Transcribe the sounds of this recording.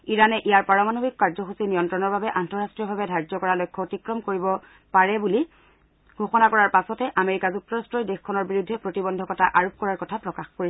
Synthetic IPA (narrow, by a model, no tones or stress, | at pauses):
iɹanɛʔijaɹpaɹɔmanobikkaɹzɔxusinijɔntɹɔnɔɹbabɛʔantɔɹastɹijɔbʱabɛdʱaɹzɔkɔɹalɔjkʰːɔotikɹɔmkoɹibɔ | paɹɛbuli | ɡʱoxɔnakɔɹaɹpasɔtɛʔameɹikazuk̚tɔɹastɹɔjdexkʰːɔnɔɹbiɹudʱːɛpɹotibɔndʱɔkɔtʰaʔaɹop̚kɔɹaɹkɔtʰapɹɔkaxkoɹiɛ